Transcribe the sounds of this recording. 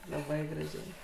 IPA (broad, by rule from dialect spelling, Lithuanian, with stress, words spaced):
lˠɐˈbɐɪ ɡrɐˈʒʲɛɪ